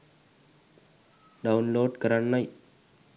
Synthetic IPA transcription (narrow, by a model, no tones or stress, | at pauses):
ɖɐʊnloːɖkɐɾɐɳːɐj